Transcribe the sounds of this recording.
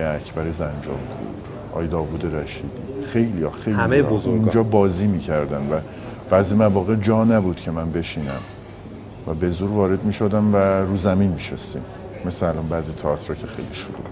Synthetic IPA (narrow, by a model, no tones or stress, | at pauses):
jeæcʰb̥æɾezænd͡ʒɒ̰ːmpʰṵɾ | ʔɒ̰ːjed̪ɒːvuːd̪e̞ɾæʃiːd̪ḭːxe̞jlijɒxe̞jlimejozouːnd͡ʒɒːbɒːziːmiːcʰæɾd̪ænvæ | b̥æːziːmævɒːɣed͡ʒɒːnæbuːd̪̥cʰe̞mænbe̞ʃiːnæ̰m | væbe̞zuːɾvɒːɾe̞d̪miːʃod̪æmvæɾuːzæminmiːʃest̪ḭːm | mːe̞sleælɒnbæːziːt̪ʰæːt̪ʰɾɒːcʰexe̞jliʃoɾṵ